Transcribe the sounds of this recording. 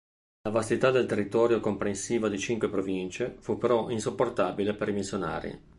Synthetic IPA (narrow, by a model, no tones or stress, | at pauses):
lavast̪it̪ad̪elt̪erːit̪ɔːɾjokompɾensiːvad̪it͡ʃiŋkwepɾovint͡ʃefupːeɾɔʔinsopːort̪abilepeɾimisjona̰ːɾḭ